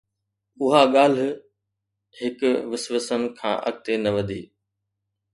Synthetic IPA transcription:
ʊɦaɠaːl̤ | hɪkʊʋɪsʋəsənkʰã̰ːʔɐ̰ɠ̚t̪enɐʋɐd̪ʱiː

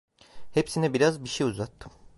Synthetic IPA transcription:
hepsinɛbiɾazbiʃejuzat̪ʰːɯm

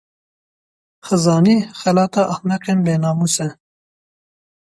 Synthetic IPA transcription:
xɨzɑːniːxɛlɑːt̪ɑʔɐxnɛqenbeːnɑːmuːsɛ

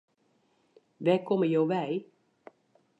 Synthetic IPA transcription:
ʋɛkʰɔməjowʋɛj

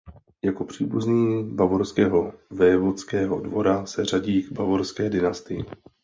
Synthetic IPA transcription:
jako̞pr̝̥iːbuzɲiːbavoɾskɛːɦo̞vɛɛvot͡skɛːɦo̞dvo̞ɾasɛr̝aɟiːɡbavoɾskɛːdɪnast̪ɪjɪ̰

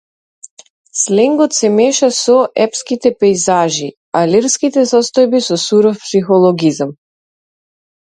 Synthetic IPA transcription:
slɛŋɡɔt̪sɛmɛʃasɔʔɛpskit̪ɛpɛjzaʒi | aliɾskit̪ɛsɔst̪ɔjbisɔsuɾɔfpsixɔlˠɔɡizam

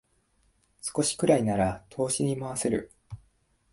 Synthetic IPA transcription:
sɨ̥ko̞ɕi̥kɯ̟ɾainaɾat̪ʰo̞ːɕiɲ̟imaβase̞ɾɯ̟̰

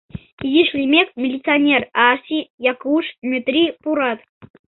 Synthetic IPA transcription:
izʲiʂlʲimʲekmʲɪlʲit̪t͡sɨanʲerasʲijakuʂmʲyt̪ɾʲipuɾat̪

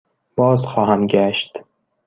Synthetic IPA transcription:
b̥ɒːzxɒːhæmɡæʃt̪

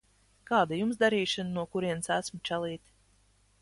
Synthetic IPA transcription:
kaːd̪ajumsd̪aɾiːʃɨnnuɔkuɾiɛnsæsmut͡ʃælˠiːt̪ʲ

